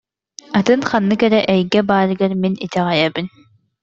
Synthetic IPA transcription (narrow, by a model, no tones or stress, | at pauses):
at̪ɯnχanːɯkɛɾɛʔɛjɡɛbaːɾɯɡɐɾminit̪ɛʁajabin